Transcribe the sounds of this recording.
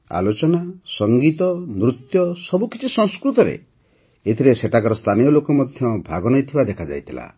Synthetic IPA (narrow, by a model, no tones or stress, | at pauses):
a̰lot͡ʃɔnasɔŋɡit̪ɔnɾut̪jɔsɔbukit͡ʃʰisɔ̃ŋ̃skɾut̪ɔɾḛ | et̪ʰiɾeseʈʰakɔɾɔst̪ʰanijɔlokɔmɔd̪ʱjɔbʱaɡɔnɔjt̪ʰibad̪ekʰad͡ʒa̰jt̪ʰila̰